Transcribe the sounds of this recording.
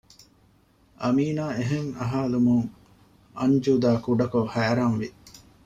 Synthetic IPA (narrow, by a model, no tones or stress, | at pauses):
ʔɐmiːnaːeɦeŋɐ̰ɦaːlumuŋ | ɐɲd͡ʒuːd̪aːkuɖɐkohæːɾanʋi